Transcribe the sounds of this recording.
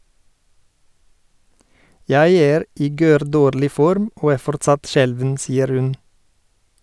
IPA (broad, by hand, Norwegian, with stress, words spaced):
ˈjæɪ ˈeːɾ ˈiː ˈɡøːɾˌdoːɾlɪ ˈfɔɾm ˈoː ˈæː ˈfɔɾtsɑt ˈʃɛlʋən ˈsiːəɾ ˈhʉn